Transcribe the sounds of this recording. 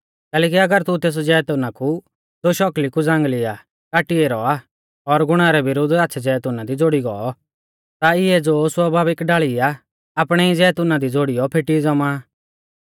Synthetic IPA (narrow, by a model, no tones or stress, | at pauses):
kɛːlɛːk̬iɐɡəɾt̪ut̪eːs̬ɔd͡ʒɛːt̪ʊnaku | d͡zoʃɔklikud͡zãːŋɡlɪa | kaːʈieɾɔa | ɔɾɡʊɽ̃aɾɛbɪɾʊd̪aːtːt͡ʃʰɛd͡ʒɛːt̪ʊnad̪id͡zoːɽiɡɔ̰ɔ | t̪aɪɛd͡zoːswɐbʱaːbɪkɖaːɭiaː | pɽ̃ɛid͡zɛːt̪ʊnad̪id͡zoːɽijɔpʰeʈid͡zɐmaː